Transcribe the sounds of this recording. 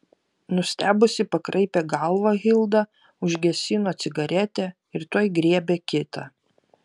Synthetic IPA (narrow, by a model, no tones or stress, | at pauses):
nʊsʲt̪ʲæːbʊsʲɪpɐkɾʔɐɪpʲeːɡɐlˠʋɑɣʲɪlˠd̪ɑ | ʊʒʲɡʲɛsʲɪnoːt̪sʲɪɡɐɾʲɛt̪ʲɛː | ɪɾt̪oɔjɡɾʲiɛbʲeːkʲɪt̪ɑ